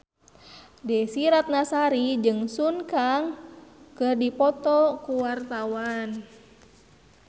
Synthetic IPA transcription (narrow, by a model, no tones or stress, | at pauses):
dɛsiɾat̪̚nasaɾid͡ʒɨŋsunkaŋkɨrdipɔt̪ɔkuwart̪awan